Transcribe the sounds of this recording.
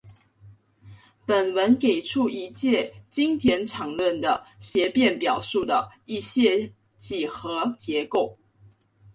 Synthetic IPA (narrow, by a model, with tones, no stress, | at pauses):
pə˨˩nwə˧˥nke˨˩ɪʈ͡ʂʰu˥˩i˧˦˥t͡ɕjɛ˥˩t͡ɕi˥ŋt̪ʰjɛ˧˥nʈ͡ʂʰɑ˨˩ŋlwə˥˩nd̪ə˩ɕjɛ˧˥pjɛ˥˩npjɑ˨˩ʊʂu˥˩d̪ə˩i˥˧ɕjɛ˥˧ | t͡ɕi˨˩xɤ˧˦t͡ɕjɛ˧˥˦ko˥˩ʊ